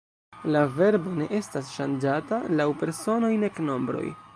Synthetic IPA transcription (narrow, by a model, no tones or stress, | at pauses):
lave̞ɾbo̞ne̞ʔe̞stasʃand͡ʒatalawpe̞ɾso̞no̞jne̞kno̞mbɾo̞̰j